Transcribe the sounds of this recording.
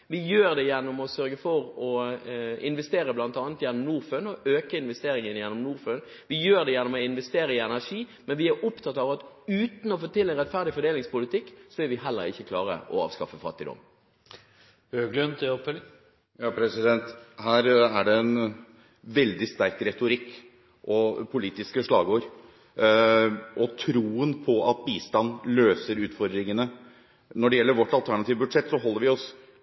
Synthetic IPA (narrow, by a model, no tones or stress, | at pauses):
ʋɪjøːʁd̪ɛjænːɔmɔsœɾɡəfɔɾɔ | ɪ̰nʋɛst̪eːɾəblɑnt̪ɑːnət̪jɛnːɔmnuːʁføːnɔʔøːkəɪnʋɛst̪eːɾɪŋənjɛnːɔmnuːɾføːn | ʋɪjøːʁd̪ɛjænːɔmɔɪnʋɛst̪eːɾəɪɛnæʁʂiːmɛnʋɪæɾʔʊpt̪ʰɑt̪ːɑʋɑt̪ʉːt̪n̩ɔfoːt̪ʰɪlːɛɪnʁɛt̪fæʁd̪ɪfɔɖ̪eːlɪŋspʊlɪt̪ʰɪkːsɔɪʋɪɦɛlːə̰ɾɪ̰çːəkʰlɑːʁə̰ʔɔ̰ɑ̰ːʋskɑfəfɑ̰t̪ːɪd̪ɔ̰mː | øːɡlənt̪ʰɪ | jɑːpʰɾɛsɪd̪ɛnt̪hæːɾæɖɛɛn | ʋɛld̪ɪst̪æɾk̚t̪ɾɛt̪ʊɾɪkː | ʔɔpʰʊliːt̪ɪskəʂɭɑ̰ːɡoːəɾ | ʔɔt̪ʰɾuːənpʰɔʔɑt̪̚biːst̪ɑnløːsəɾʉːt̪fɔɾd̪ɾɪŋənə | nɔɖɛjɛlːəɾʋɔʈːɑlt̪ʰæɳɑt̪ʰiːʋəbʉd̪ʂɛt̪ːsɔɦɔlːəɾʋɪɔs